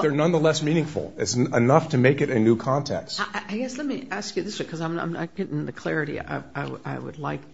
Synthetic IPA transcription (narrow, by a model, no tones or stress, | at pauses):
ðə˞nʌ̃nðəlɛsmĩnɪ̃ŋfl̩ˠɪtsənʌftʰɨmeɪkɨɾɨnʉkʰɑ̃ntʰɛ̰kstaʔaɪɡɛslɛt̚miæskjɨðɪswɨkʰʌzãɪ̃mnãɪ̃mnɨ̰t̚ɡ̥ɛɾɪ̃ŋðɨkʰl̥ɛɹɨɾḭa̰ɪaɪa̰ɪwɨ̰dˡlaɪk̚